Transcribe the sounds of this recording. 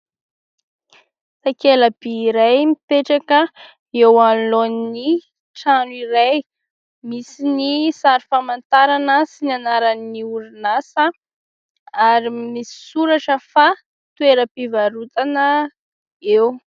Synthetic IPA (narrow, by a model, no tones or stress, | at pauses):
sakeləb̥iːɾajmipeʈ͡ʂakə | ewalonni | ʈ͡ʂanuiɾaj | misinisaɾifamant̪aɾanəsinanaɾanːiuɾinasə | aɾimisi̥suɾaʈ͡ʂəfa | t̪ueɾəpivaɾut̪anə | ew